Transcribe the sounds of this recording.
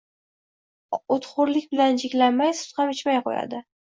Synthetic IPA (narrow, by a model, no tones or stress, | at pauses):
ot̪χʊɾlɪkʲbɪland͡ʒɪkʲlanmajsʊ̥t̪χamɪt͡ʃmajqo̰ja̰d̪ɪ